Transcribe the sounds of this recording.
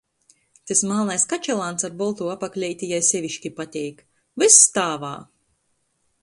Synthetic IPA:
t̪ɨsmaːnajskat͡ʃɛlˠaːnsaɾbɔlˠt̪uːapaklʲɛjt̪ʲijajsʲɛvʲiʃkʲipat̪ʲɛjk | vist̪aːva̰ː

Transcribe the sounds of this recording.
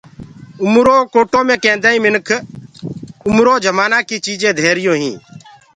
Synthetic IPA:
ʊmɾoːkoːʈõːmẽːkẽːnd̪aːĩːmɪnkʰ | ʊmɾoːd͡ʒəmaːnaːkiːt͡ʃiːd͡ʒẽːd̪ʱeːɾɪjõːɦĩː

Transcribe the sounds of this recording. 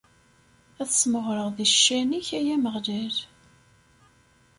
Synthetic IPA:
æθəsməʁɾəʁðiʃːæniçæjæməʁlæɾ

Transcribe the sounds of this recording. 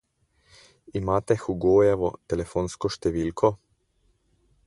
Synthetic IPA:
imaːt̪ɛxuɡoːjɛʋot̪ɛlefoːnskoʃt̪ɛʋiːlkʰo

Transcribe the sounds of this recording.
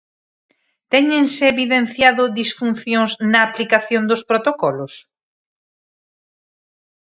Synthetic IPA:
t̪ɛɲẽŋseːβiðẽn̟θjaðʊðisfunθjoŋznɐːplikaθjõnd̪ospɾot̪okɔlos

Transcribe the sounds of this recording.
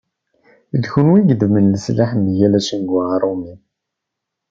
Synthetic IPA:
əlçunwiɡd̪əmənləslaħmjælæsiŋɡʕaɾˤumi

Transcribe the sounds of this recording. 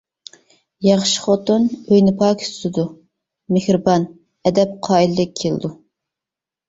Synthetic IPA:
jɑχʃi̥χot̪onøjnɪpʰɑːkʰʲst̪ɨd̪u | mɪhɾɨbɑn | ɛd̪ɛp̚qʰɑːilɪd̪ɪk̚ʲʰelˠɨ̰d̪u

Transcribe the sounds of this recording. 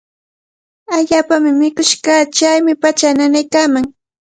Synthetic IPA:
aʎaːpamɪmɪkʊʃkat͡ʃajmɪpat͡ʃananajkaːmaŋ

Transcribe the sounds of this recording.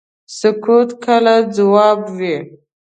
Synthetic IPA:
sʊkut̪kʰəlad͡zawɑbwi

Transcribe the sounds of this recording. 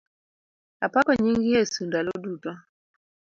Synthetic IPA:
a̰pakɔɲiŋɡijesundalodutɔ

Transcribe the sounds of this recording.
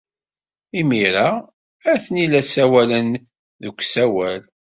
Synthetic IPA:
imiɾa | æθənilæsæwælən | ðəkʷːsæwæl

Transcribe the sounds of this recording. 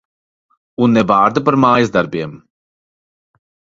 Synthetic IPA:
unːɛvaːɾd̪apaɾmaːjɐzd̪aɾbiɛm

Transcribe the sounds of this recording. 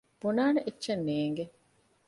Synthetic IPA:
b̥unaːneʔetːʃɐnːeːŋɡe

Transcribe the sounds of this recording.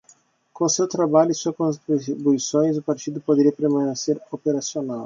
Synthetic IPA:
kõʊsewt̪ɾabaʎʊɪsuɐkõnt̪ɾit̪ɾibuisõj̃zʊpaɾt͡ʃid̪ʊpod̪eɾiɐpeɾmãneseɾopeɾasionaw

